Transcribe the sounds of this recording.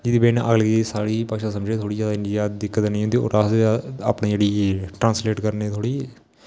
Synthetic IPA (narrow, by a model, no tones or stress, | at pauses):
d͡ʒɪd̪iːbeːnʔəɡlɡisaːɽiːpəkʃaːsəmd͡ʒeːt̪ʰoːɽiːd͡ʒaːd̪aɪɳɖijaːd̪ɪkːət̪nəĩːɦʊnd̪iːo̰ːɾasa̰ːpɳiːd͡ʒeːɽiːʈɾãːnsleːʈkəɾneːt̪ʰoːɽiː